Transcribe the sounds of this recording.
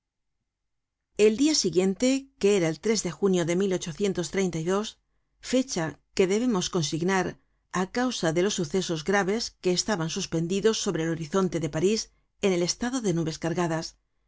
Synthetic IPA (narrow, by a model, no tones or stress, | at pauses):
e̞ld̪iasiɣje̞nt̪e̞ke̞eɾaelt̪ɾe̞zðe̞xunjo̞ðe̞milo̞t͡ʃo̞θje̞nt̪o̞st̪ɾe̞jnt̪ajðo̞s | fe̞t͡ʃake̞ðe̞β̞e̞mo̞sko̞nsiɣnaɾ | akawsaðe̞lo̞sːuθe̞so̞zɣɾaβe̞ske̞ːst̪aβansuspe̞nd̪iðo̞sːo̞βɾe̞ːlo̞ɾiθo̞nt̪e̞ðe̞paɾis | e̞ne̞le̞st̪aðo̞ðe̞nuβe̞skaɾɣaðas